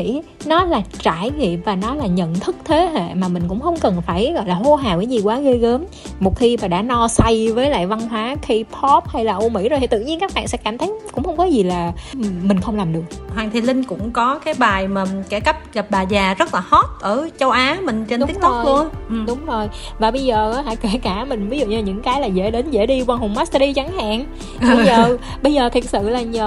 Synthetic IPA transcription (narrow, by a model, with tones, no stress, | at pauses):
ḭ˧˥ | nɔ˨˦laː˨˩t͡ɕaː˧˩jɣḭ˧˨vaː˨˩nɔ˨˦laː˨˩ɲə̰˧˨nt̪ʰɨ˦˥k̚t̪ʰe˨˦ɦa̰˧˨maː˨˩mï˨˩ŋ̟kʊ̰˧˥ŋ͡mxə˧wŋ͡mkə˨˩nfaː˧˩jɣɔ̰˧˨jlaː˨˩ho˧˦ɦaː˨˩wə˨˦ɲi˨˩kwaː˨˦ɣe˧ɣəː˨˦m | mo˨˩t̚xi˧maː˨˩ɗa̰ː˧˥nɔ˧sa˧jvəː˨˦jla̰ː˧˨jva˧nɦwaː˨˦xi˧pʰɔ˦˥p̚ha˧jlaː˨˩ʔo˧mḭ˧˥zo˨˩t̪ʰt̪ɨ̰˧˨ɲi˧ənkaː˦˥k̚ɓa̰ː˧˨nsɛ̰˧˥kaː˧˩mt̪ʰə˨˦jkʊ̰˧˥ŋ͡mxə˧wŋ͡mkɔ˨˦zi˨˩laː˨˩mï˨˩ŋ̟xə˧wŋ͡mlaː˨˩mɗɨ˨˩ək̚hwaː˨˩ŋt̪ʰi˨˩lï˧ŋ̟kʊ̰˧˥ŋ͡mkɔ˨˦kaː˨˦jɓaː˨˩jmaː˨˩kɛ˧˩ka˦˥p̚ɣa˨˩p̚ɓaː˨˩zaː˨˩zə˦˥t̚laː˨˩ho˦˥t̚ʔəː˧˩t͡ɕə˧wʔaː˨˦mï˨˩ŋ̟t͡ɕe˧ntʊ˦i˦˥ət̪̚ːlu˧ənɗʊ˨˦ŋ͡mzo˨˩j | vaː˨˩ɓə˧jzəː˨˩a˨˦ɦa̰˧˨jke˧˩kaː˧˩mï˨˩ŋ̟vi˨˦zṵ˧˨ɲaː˧˩ɲɨ̰˧˥ŋkaː˨˦jlaː˨˩zḛ˧˥˩ɗe˨˦nzḛ˧˥ɗi˧kwaː˧nɦo˨˩ŋ͡mma˦˥s̚ɗi˧t͡ɕa˨˦ŋha̰ː˧˨n˨˩ | ɓzəː˨˩ | ɓə˧jzəː˨˩t̪ʰi˨˩ət̚sɨ̰˧˨laː˨˩ɲəː˨˩